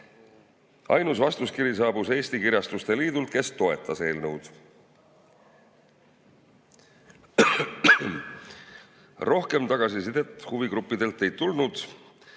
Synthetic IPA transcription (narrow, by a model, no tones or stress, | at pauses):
ɑ̰jnus̬vɑst̪uskiɾis̬ɑːbuse̞ːst̪ikiɾʲjɑst̪ust̪e̞liːd̪̥ult̪̚ke̞st̪o̞e̞t̪ʰːˑɑse̞ːlnɤwd̪̥ | ro̞hke̞mt̪ɑɡ̥ɑsisid̪̥e̞t̪ːhuviɡɾupːid̪e̞lt̪ːˑe̞jt̪ːulnud̪̥